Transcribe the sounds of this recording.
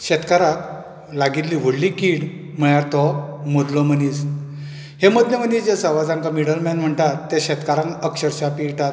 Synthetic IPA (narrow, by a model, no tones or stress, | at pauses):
ɕɛt̪kaɾak | laɡit̪liʋəɽlikiɽm̤əɭjaɾt̪ɔmod̪lɔmənis | hemod̪lemənisd͡ʑesəʋad͡zãŋkamiɽəlmɛnm̤əɳt̪at̪ːeɕɛt̪kaɾãŋkəkɕəɾɕapiʈat̪